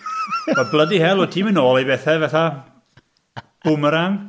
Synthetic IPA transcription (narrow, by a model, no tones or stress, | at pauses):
b̥ɔblˠədihɛlˠotʰimɨnoːlˠibɛθɛvɛθa | b̥ʊməɾaŋ